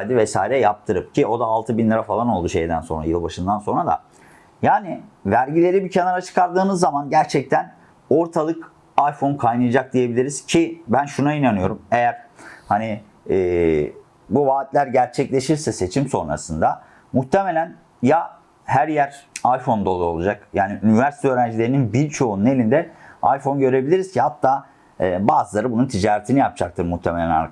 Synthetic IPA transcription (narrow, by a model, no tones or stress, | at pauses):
jd̪ivɛsa̰ːiɾɛjap̚t̪ʰɯɾɯp̚cʰio̞d̪aːlˠt̪ʰɯbinlʲeɾafalˠano̞lˠd̪uʃe̞̰jd̪æ̰nso̞nɾa̰jɯlˠbaʃɯnd̪anso̞nɾad̪a̰ | jaːnɪvæɾɟilʲe̞ɾibicʰenaɾat͡ʃʰɯ̥kʰaɾd̪ɯːnɯzːamanɟæɾt͡ʃʰɛc̚t̪ʰæn | o̞ɾt̪ʰalˠɯk | ajfo̞nkʰajnɯjd͡ʒak̚d̪ije̞bilʲiɾiz̥cʰibænʃunainanɯjo̞ɾume̞jæɾ̥haniː | buvaːt̪lʲæɾɟæɾt͡ʃʰɛclʲe̞ʃiɾsɛse̞t͡ʃʰimso̞nɾa̰sɯnd̪a | muxt̪ʰe̞me̞lʲæn | ja | hæɾjæɾajfo̞nd̪olˠaolˠud͡ʒakjaːniʔynivæɾsi̥t̪øːɾænd͡ʒilʲe̞ɾininbilʲt͡ʃʰo̞unune̞lʲind̪ɛa̰jfo̞nɟø̞ɾe̞bilʲiɾiz̥cʰihat̪ʰːaː | baːzɯlˠaɾɯbununt̪ʰid͡ʒaːɾet̪ʰinijap̚d͡ʒak̚t̪ʰɯɾmuht̪ʰeme̞lʲæna̰ɾk